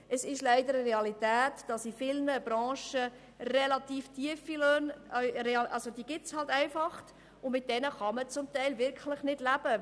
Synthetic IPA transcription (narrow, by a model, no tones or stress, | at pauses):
əsɪʃlæɪdəɾəɾeɑlitæːtd̥ɑsifɪlnəbɾɑ̃ːʃə | rɛlɑtiːftʰiəfiløːnɾeɑʔɑlsodiəɡɪt͡shɑltæɪfɑχt | ʊmɪt̚d̥ɛnəχɑmət͡sʊmtæɪlvɪɾkʰχləχnɪd̥læb̥ə